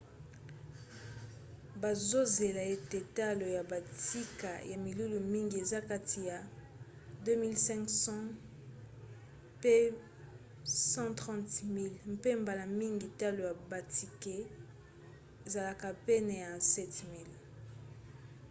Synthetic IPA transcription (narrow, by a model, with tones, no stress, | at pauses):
ba˨zo˦ze˨la˨e˦te˨ta˦lo˨ja˨ba˨ti˦ka̰˨ja˨mi˨lu˦lu˨mi˦ŋɡi˨e˨za˦ka˦tʰi˨ja˨ | dø˦mi˦lsɛ̃˦ŋksɑ̃˦ | pe˦ | sɑ̃˦tʁɑ̃˦tmi˦lm̩˦pe˦mba˨la˨mi˦ŋɡi˨ta˦lo˨ja˨ba˨tʰi˨ke˦ | e˨za˨la˨ka˨pɛ˦nɛ˨ja˨sɛ˦tmi˦l